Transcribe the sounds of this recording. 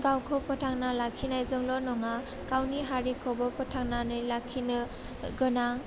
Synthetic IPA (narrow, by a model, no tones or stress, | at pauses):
ɡawkʰɔpʰɔtʰaŋnalakʰːinajzɔŋlɔnɔŋa | kawniɦaɾikʰɔbɔpɔtʰaŋnanɯjlakʰinɯ | ɡɯnaŋ